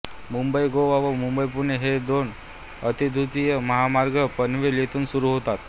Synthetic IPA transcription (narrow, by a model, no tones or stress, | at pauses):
mumbəjɡoʋaʋomumbəjpuɾneɦed̪on | ət̪id̪ʱut̪ijəməɦamaɾɡəpənʋelet̪uːnsuɾuɦot̪at̪̚